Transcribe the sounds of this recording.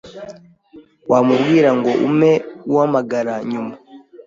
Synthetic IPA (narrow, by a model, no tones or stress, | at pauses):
waːmubɡiːɾaŋɡo̞ʔumeuhamaɡaɾaɲuma